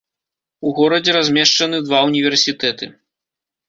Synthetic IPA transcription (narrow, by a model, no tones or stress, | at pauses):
uɣɔɾɐd͡zʲɛɾazʲmʲɛʂt͡ʂɐnɨd̪vaunʲivʲɛrsʲit̪ɛt̪ɨ